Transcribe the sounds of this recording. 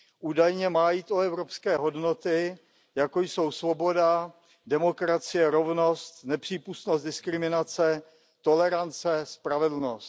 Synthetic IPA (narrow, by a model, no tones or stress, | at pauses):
ʔuːdajɲɛmaːjiːt̪ʔoɛvɾopskɛːɦo̞dno̞t̪ɪ | jakojso̞wsvo̞bo̞da | dɛmo̞kɾat͡sɪjɛɾo̞vno̞st̪nɛpr̝̥iːpust̪nost̪dɪskɾɪmɪnat͡sɛ | t̪o̞lɛɾant͡sɛspɾavɛdl̩no̞st̪